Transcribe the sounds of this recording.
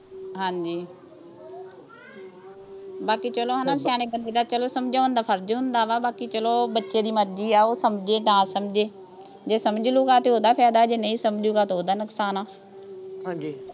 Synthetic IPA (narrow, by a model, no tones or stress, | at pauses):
ɦãːɲd͡ʒiː | baːkiːt͡ʃəloːɦanaːsjaːñeːbənd̪eːd̪aːt͡ʃəloːsəmd͡ʒaːɦʊ̃nd̪aːpʰəɾd͡ʒɦʊnd̪aːʋaːbaːkiːt͡ʃəloːbətːʃeːd̪iːməɾd͡ʒiːaːoːsəmd͡ʒeːt̪ãːsəmd͡ʒeː | d͡ʒeːsəmd͡ʒluːɡaːt̪eːoːd̪aːpʰɛːd̪aːd͡ʒeːnəĩːsəmd͡ʒuːɡaːt̪ːoːd̪aːnəksaːnaː | ɦãd͡ʒi